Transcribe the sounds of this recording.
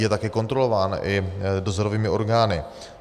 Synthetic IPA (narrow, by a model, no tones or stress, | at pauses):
jɛt̪akɛko̞nt̪ɾolovaːnʔɪdozoɾoviːmɪoɾɡaːnɪ